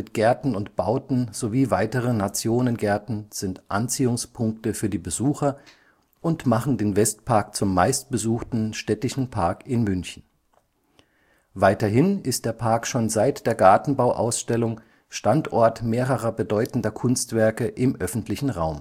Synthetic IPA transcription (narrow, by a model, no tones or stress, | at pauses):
mɪtɡ̥ɛɐtn̩ʊntb̥aʊtn̩z̥oviːvaɪtəʁənat͡sjoːnənɡɛɐtn̩z̥ɪntʔant͡siːʊŋspʰʊŋk̚təfyːɐdiːbəzuːxɐ | ʔʊntmaχn̩deːnvɛstpʰaɐkt͡sʊmːaɪst̚b̥əzuːxtn̩ʃtɛtɪʃn̩pʰaɐkɪnmʏnçn̩ | vaɪtɐɦɪnɪst̚d̥eːɐpʰaːɐkʃoːnzaɪtd̥eːɐɡaɐtn̩baʊʔa̰ʊsʃtɛlʊŋ | ʃtantʔɔɐtmeːʁəʁɐbədɔʏtn̩dɐkʰʊnstv̥ɛɐkəʔɪmʔœfn̩tʰlɪçn̩ʁaʊm